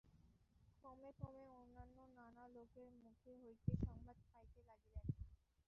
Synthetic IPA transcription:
kɔmekɔmeonːanːonanalokeɾmukʰeɦojt̪eʃɔŋbad̪fajt̪elaɡilen

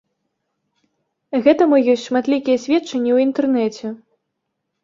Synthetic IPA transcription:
ɣɛt̪ɐmujɔsʲtʲʂmat̪lʲikʲijɐsʲvʲɛt̪t͡ʂːɐnʲːiwint̪ɛrnɛt͡sʲɛ

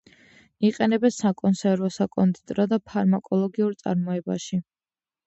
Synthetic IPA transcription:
iqʼɛnɛbɛnsakʼɔnsɛɾvɔsakʼɔnd̪it̪ʼɾɔd̪apʰaɾmakʼɔlˠɔɡiuɾt̪sʼa̰ɾmɔɛba̰ʃi

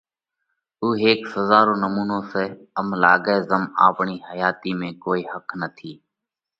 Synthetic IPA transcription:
uːɦeːksəzaːɾõːnəmuːnõːseː | əmlaːɡeːzəma̰ːpɳiːhəjaːt̪iːmẽːkoːiːhəkʰnət̪ʰiː

